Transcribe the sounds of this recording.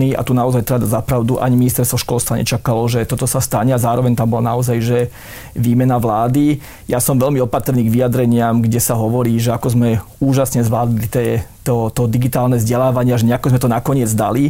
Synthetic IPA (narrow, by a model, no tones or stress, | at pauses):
ia̰t̪unaɔzajt̪ɾɛbd̪azapɾaʊd̪uʔa̰ɲiminist̪ɛɾst̪ʋɔʃkɔlst̪ʋaɲʔɛ̰t͡ʃakalɔʒɛt̪ɔt̪ɔsast̪aɲɛazaːɾɔʋɛɲt̪ambɔlanaɔzajʒɛ | ʋiːmɛnaʋlaːd̪i | jasɔmʋɛʎmiɔpat̪r̩niːɡʋijad̪ɾɛɲɪamɡɟɛsaɦɔʋɔɾiːʒɛakɔzmɛ | uːʒasɲɛzʋlaːd̪ilit̪ɛːt̪ɔt̪ɔd̪iɡit̪aːlnɛvzɟɛlaːʋaɲɪaʒɛɲɛakɔzmɛt̪ɔnakɔɲɪɛd͡zd̪a̰li